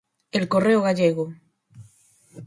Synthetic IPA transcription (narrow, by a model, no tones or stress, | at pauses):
elkoreoɣ̞aʎeɣ̞o